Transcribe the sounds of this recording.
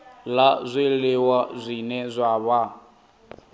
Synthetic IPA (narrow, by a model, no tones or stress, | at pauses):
lazʷelewazʷinɛzʷaβa